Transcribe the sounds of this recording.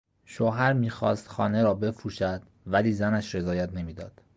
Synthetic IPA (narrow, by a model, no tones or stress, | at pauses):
ʃoːɦæɾmiːxɒ̰ːst̪xɒ̰ːne̞ɾɒːbe̞fɾuːʃæd̪̥ | væliːzænæʃɾe̞zɒːjæt̪ʰne̞miːd̪ɒ̰ːd̪̥